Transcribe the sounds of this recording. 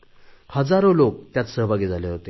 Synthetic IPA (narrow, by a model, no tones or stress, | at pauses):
həd͡zaɾolok̚t̪jat̪səɦbʱaɡid͡zʱaleɦot̪e